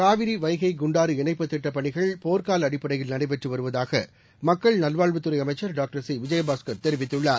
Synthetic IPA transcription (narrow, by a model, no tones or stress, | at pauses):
kaːʋɪɾiʋɐɪɣɐɪɡʊɳɖaːɾɯɪɳɐɪpːɐt̪ːɪʈːɐpːɐɳɪɣɐɭpoːɾkaːlɐɽɪpːɐɽɐɪjɪlnɐnɐɪpɛʈrɯʋɐɾɯʋɐðaːɣɐ̰ | mɐkːɐɭnɐlʋaːɭʋɯt̪ːɯɾɐɪɐmɐɪt͡ʃːɐɾɖaːk̚ʈɐɾsiːʋɪd͡ʒɐjɐbaːskɐɾt̪ɛɾɪʋɪt̪ːɯɭːaːɾ